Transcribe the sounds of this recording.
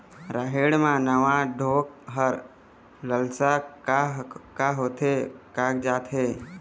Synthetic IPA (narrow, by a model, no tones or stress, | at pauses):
ɾaːɦeːɽmãnəʋãɖʱoːk̚ɦəɾ | ləlsakaɦkaɦoːt̪ʰekaːk̚d͡ʒaːt̪ɦeː